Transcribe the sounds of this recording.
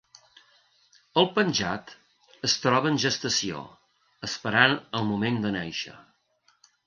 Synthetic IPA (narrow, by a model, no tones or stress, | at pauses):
əlˠpənʲʒa̰t̪ | əst̪ɾɔβəːnʒəst̪əsio̰ | əspəɾanəlˠmumend̪ənɛjʃə̰